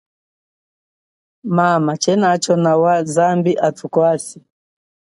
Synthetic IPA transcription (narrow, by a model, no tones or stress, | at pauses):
mamat͡ʃɛnat͡ʃɔnawazambiʔatukwasi